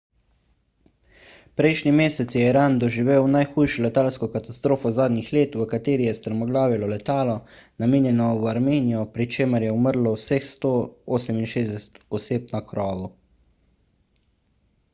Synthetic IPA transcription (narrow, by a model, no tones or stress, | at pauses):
pɾɛjʃnimeːsɛt̪sjɛiɾaːnd̪ɔʒiʋeːwnajxuːjʃɔlɛt̪aːlskɔkat̪ast̪ɾoːfɔzaːd̪nixleːt̪ʋəkat̪eːɾijɛst̪əɾmɔɡlaːʋɛlɔlɛt̪aːlɔ | nameːnjɛnɔwaɾmeːnijɔpɾit͡ʃeːməɾjɛuməɾlɔwsexst̪oːoːsɛminʃeːzd̪ɛsɛ̥t̪ɔseːpnakɾʔɔːʋu